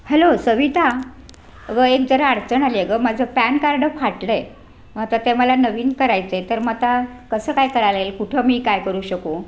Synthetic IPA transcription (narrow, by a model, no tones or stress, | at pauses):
hɛlosəʋit̪a | əɡəekd͡zəɾəaɽt͡sənalieɡəmad͡zʱəpænkaɾɖəfʰaʈle | mət̪at̪eməlanəʋiːnkəɾajt͡set̪əɾmət̪akəsəːkajkəɾalelkuʈʰəmiːkajkəɾuːɕəko